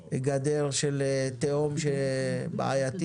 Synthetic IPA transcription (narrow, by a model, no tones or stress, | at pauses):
ɡad̪elʃelt̪eomʃeba̰a̰jat̪i